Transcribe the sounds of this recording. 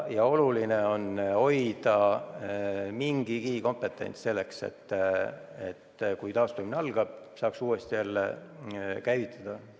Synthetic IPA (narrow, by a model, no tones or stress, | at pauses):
jɑo̞lulineo̞no̞jd̪ɑ | miŋɡ̥ikiːko̞mpe̞t̪ːˑe̞̰nʲt̪sse̞lːe̞ksḛt̪ː | ḛt̪ːkujt̪ɑːst̪umineɑlɡ̥ɑb̥ | sɑːksuːest̪ijælːḛ | kæjvit̪ʰːˑɑd̪̥ɑ